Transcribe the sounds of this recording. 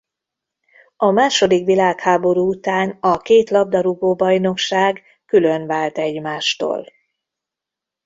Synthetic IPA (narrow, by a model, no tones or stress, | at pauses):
ɒmaːʃo̞d̪ikʋilaːkhaːbo̞ɾuːut̪aːnɒkeːt̪lɒb̚d̪ɒɾuɡoːbɒjno̞kʃaːɡ | kylø̞nvaːlt̪ɛɟmaːʃt̪o̰ːl